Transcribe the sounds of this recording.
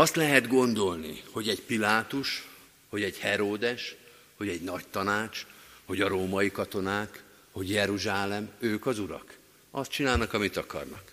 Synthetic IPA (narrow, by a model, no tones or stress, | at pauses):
ɒst̪lɛɦɛd̪ɡo̞nd̪o̞lnḭho̞ɟɛɟpilaːt̪uʃ | ho̞ɟɛɟhɛɾoːd̪ɛʃ | ho̞ɟɛɟnɒct̪ɒnaːt͡ʃho̞ɟɒɾoːmɒjikɒt̪o̞naːk | ho̞ɟjɛɾuʒaːlɛmøːkɒzuɾɒ̰k | ɒst̪̚t͡ʃinaːlnɒkɒmit̪ɒkɒ̰rnɒ̰k